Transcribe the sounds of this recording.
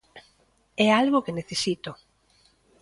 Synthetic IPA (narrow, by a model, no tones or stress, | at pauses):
ɛalɣʊkeneθesit̪o